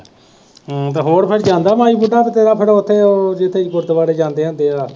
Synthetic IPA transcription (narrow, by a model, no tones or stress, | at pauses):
t̪eːɦoːɽpʰɪɽd͡ʒãːnd̪aːmãːiːbuɖaːt̪eːt̪eːɾaːpʰɪɽʊt̪ʰːeːoːd͡ʒɪt̪ʰːeːkʊɾt̪ʋaːɽeːd͡ʒãːnd̪eːɦãːnd̪eːaː